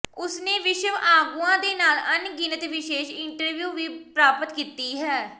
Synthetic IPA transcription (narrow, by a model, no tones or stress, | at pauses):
ʊsneːʋɪʃəʋaːɡuːãːd̪eːnaːlənɡɪnət̪ʋɪʃeːʃɪɳʈəɾʋjuːʋiːpɾaːpət̪kiːt̪iːɦɛː